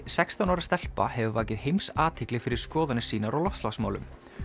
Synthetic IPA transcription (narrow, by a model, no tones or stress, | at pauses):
sɛkst̪anaːwɾast̪ɛl̥pa̰hɛvʏvaːcɪðɦejmsaːt̪ʰɪklɪfɪɾɪɾ̥skɔːðanɪsiːnaɾawlɔft̪lasmaːwlʏ̰m